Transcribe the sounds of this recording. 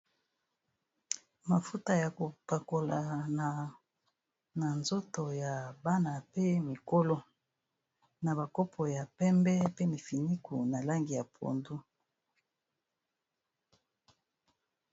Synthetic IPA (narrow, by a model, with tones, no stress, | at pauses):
ma˨fu˦ta˦ja˨ko˨pa˨ko˨la˨na˨ | na˨nzo˦to˨ja˨ba˦na˨pe˦mi˨ko˦lo˦ | na˨βa˨kɔ˦pʰɔ˨ja˨pɛ˦mbɛ˦pe˦mi˨fi˨ni˦ku˨na˨la˦ŋɡi˨ja˨pʰo̰˨ndu˦